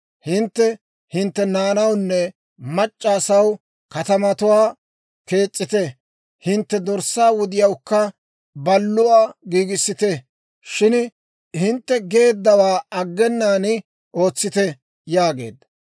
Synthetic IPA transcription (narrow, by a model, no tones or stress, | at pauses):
hɪnt̪ːɛ | hɪnt̪ːɛnaːnɐwnːɛ | mɐt͡ʃʼːaːsɐw | kɐt̪ɐmɐt̪ʊwaː | ke̞ːt͡sʼːɪt̪ɛ | hɪnt̪ːɛd̪ɔɾsːaːwʊd̪ɪjɐwkːɐ | bɐlːʊwaːɡiːɡɪsːɪt̪ɛ | ʃɪn | hɪnt̪ːɛɡe̞ːd̪ːɐwaːɐɡːɛnːaːnɪ | ʔo̞ːt͡sːɪt̪ɛ | jaːɡe̞̰ːd̪